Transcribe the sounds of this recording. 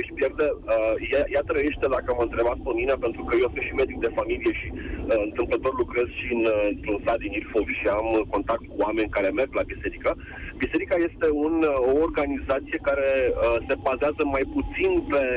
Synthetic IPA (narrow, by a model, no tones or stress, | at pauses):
ʃi̥pjerd̪eəjajat̪ɾəje̞ʃt̪e̞d̪akəməɨnt̪ɾe̞bat̪̚pəminepe̞nt̪ɾukəjewsɨnʃime̞d̪ik̚d̪e̞familije̞ʃiɨnt̪ɨmplət̪o̞rlukɾe̞z̥ʃiɨnnt̪ɾunsat̪d̪inilfoɡʃiamko̞nt̪ak̚t̪̚kuame̞nʲkaɾe̞me̞rɡlabise̞ɾika | bise̞ɾikaje̞st̪e̞unoorɡanizat̪sije̞kaɾe̞əse̞bazeazəmajput̪sinpe̞